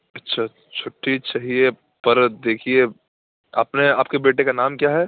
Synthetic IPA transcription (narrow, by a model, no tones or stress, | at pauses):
ɐtːʃʰa | t͡ʃʰʊʈːit͡ʃaːɦie | pɐɾd̪eːkʰie | a̰ːpneaːpkebeːʈ̬ekanaːmkjaːɦɛː